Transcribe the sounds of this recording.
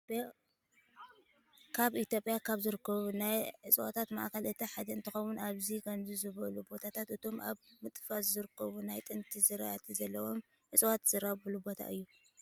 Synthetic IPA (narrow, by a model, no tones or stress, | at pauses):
b̥ | kʰaβit̪jo̞pʼjakʰaβzɨɾɨkːɐβunajʕɨt͡sʼwot̪ʰat̪ma̰ʔkɐlɨt̪ʰɐħad̪ɐɨnt̪ʰɨxɐwunaβzikʰɐmzizɨβɐlubo̞t̪ʰat̪ʰat̪ɨt̪ʰo̞mʔa̰βmɨt̪ʼfaszɨɾɨkʰːɐβunajt̪ʼɨnt̪ʰizɨɾa̰t̪ʰizɐlːɐwo̞m | ʕɨt͡sʼwat̪z̥ɨɾaβɨlubo̞t̪ʰa̰ʔɨjːu